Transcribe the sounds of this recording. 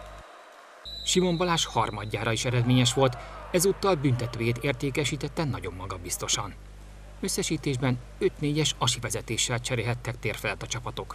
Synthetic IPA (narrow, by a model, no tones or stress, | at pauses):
ʃimo̞mbɒlaːʃhɒrmɒɟːaːɾɒiʃɛɾɛd̪meːɲɛʃʋo̞lt̪ɛzuːt̪ːɒlbynt̪ɛt̪øːjeːt̪eːrt̪eːkɛʃiːt̪ɛt̪ːɛnɒɟo̞mːɒɡɒbist̪o̞ʃɒn | ø̞sːɛʃiːt̪eːʒbɛn | ø̞t̪neːɟɛʃɒʃivɛzɛt̪eːʃːɛlt͡ʃɛɾeːlɦɛt̪ːɛk̚t̪eːrfɛlt̪ːɒt͡ʃɒpɒt̪o̞k